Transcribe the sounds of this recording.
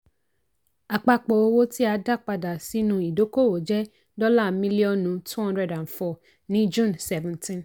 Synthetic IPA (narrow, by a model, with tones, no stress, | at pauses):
a˨k͡pa˧k͡pɔ˨o˧wo˦ti˦a˧˦da˦˨k͡pa˧da˨si˦nũ˧i˨do˨˦ko˦˨wo˨d͡ʒɛ˦ | dɔ˦la˦˨mĩ˦li˦ɔ̃˦nũ˨˦tʰu˦hɔ̃˦ndɾɛ˨dã˨n˨fɔ˦˨ | nĩ˦d͡ʒũ˦˨nsɛ˦vɛ̃˦ntĩ˦n